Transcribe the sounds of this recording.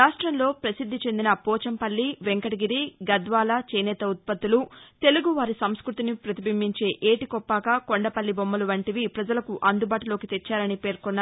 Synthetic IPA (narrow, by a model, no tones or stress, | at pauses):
ɾaːʂʈɾɐnlo̞ːpɾɐsid̪ʱːit͡ʃe̞nd̪inɐpɔːt͡ʃɐmpɐlːiʋeŋkɐɽiɡiɾiɡɐd̪ʋaːlaːt͡ʃeːnɛːt̪ɐut̪̚pɐt̪ːulut̪e̞luɡuʋaːɾisɐmskɾut̪inipɾɐt̪ibimːiɲt͡ʃe̞ːʔeːʈikɔpːaːkaːkoɳɖɐpɐlːibomːɐluʋɐɳʈiʋipɾɐd͡ʒɐlɐkuʔɐnd̪ubaːʈulo̞ːkit̪et͡ʃːaːɾɐnipe̞ːɾkɔnːaː